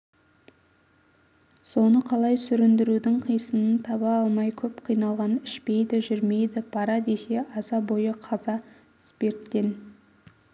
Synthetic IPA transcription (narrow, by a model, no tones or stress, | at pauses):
so̞nəqʰɑlˠɑjsʏɾɪnd̪ɪɾud̪ɪŋqʰijsənənt̪ʰɑβɑɑlˠmɑjkʲʰɵpqʰijnɑlˠʁɑnɪʃpe̞jd̪ɪʒʏɾme̞jd̪ɪpʰɑɾɑd̪e̞se̞ʔɑzɑbo̞jəqʰɑzɑ | spe̞ɾt̪ːe̞n